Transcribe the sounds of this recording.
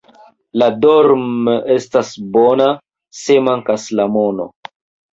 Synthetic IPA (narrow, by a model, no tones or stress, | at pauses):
ladoɾme̞stasbona | se̞maŋkaslamono̰